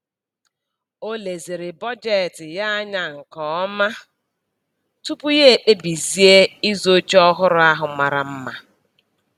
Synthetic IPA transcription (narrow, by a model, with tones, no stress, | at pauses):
o˦le˨zi˨ɾɪ˨bɔ˦d͡ʒe˦˨tɪ˨ja˦a˦ɲa˨ŋ̩˨kɔ˨˦ma˦ | tu˦pu˦je˦e˨k͡pe˦bi˨zi˦e˦i˦zo˦t͡ʃɔ˦ɦʊ˦ɾʊ˦a˦ɦʊ˨ma˨ɾa˨m̩˦ma˨